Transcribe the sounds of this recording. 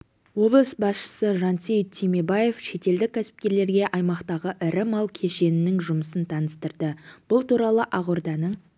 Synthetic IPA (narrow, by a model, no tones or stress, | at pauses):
wo̞blˠəsbɑsʃə̥səʒɑnt̪sijt̪ʰːime̞baje̞fʃe̞t̪e̞ld̪ɪkʲʰːæsɪ̥p̚kʲe̞ɾle̞ɾɡʲe̞ʔɑjmɑqt̪ɑʁəʔɪɾɪmɑlˠkʲʰe̞ʃe̞nɪnɪŋʒʊməsənt̪ʰɑnəst̪əɾd̪əb̥ʊlˠt̪uɾɑlˠəʔɑʁʊɾd̪ɑnəɴ